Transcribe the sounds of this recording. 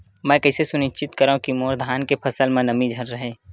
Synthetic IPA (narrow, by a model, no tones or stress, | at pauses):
mɛ̃ːkɐɪsesʊnɪʃt͡ʃɪt̪kəɾũkimoːɾd̪ʱaːnkepʰɐsəlmẽnəmid͡ʒʱəɾːəɦeː